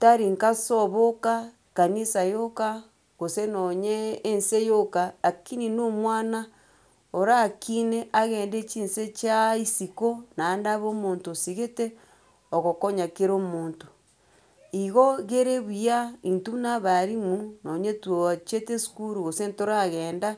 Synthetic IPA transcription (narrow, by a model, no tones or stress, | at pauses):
taɾiŋkasoβoka | kanisajoka | ɣosenoɲeːnsejokaakininomwana | oɾakineʔaɣeːndet͡ʃiːnset͡ʃaisikonandaβoːmoːntosiɣete | oɣokoɲakeɾomoːnto̥ | iɣoɣeɾeβujaintunaβaɾimunoɲetwot͡ʃetesu̥kuɾuɣosentoɾaɣeːnda